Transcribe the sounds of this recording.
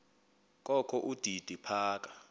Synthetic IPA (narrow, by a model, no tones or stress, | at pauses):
kʼɔkʰɔʔud̥ʱid̥ʱipʰaːkʼa